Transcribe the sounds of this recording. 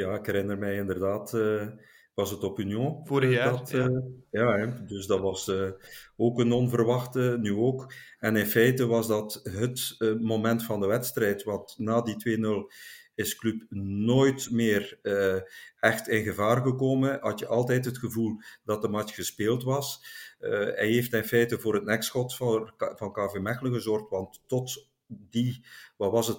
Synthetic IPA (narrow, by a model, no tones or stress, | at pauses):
jaːɪkɦɛɾɪnərmɛjɪndərdaːtː | ʋɑsətopinjõvdɑtjaːdɵsdɑtʋɑsəoːkənɔnvərʋɑxtənyoːkɛnɪnfɛjtəʋɑzdɑtɦətmomɛntfɑndəʋɛtstrɛjtʋɑntnaːditʋeːnɵlˠɪsklypnoːjtmɪːr | ɛxtɪnɣəvaːrɣəkoːmənɦɑtjəʔɑlˠtɛjtɦətxəvulˠdɑt̚dəmɑt͡ʃxəspeːlˠtʋɑs | ɛ̰jɦeːftɪnfɛjtəvoːrɦət̚nɛksxɔtvɑnkaːvemɛxələɣəzɔrxtʋɑntːɔt | diʋaːʋɑsət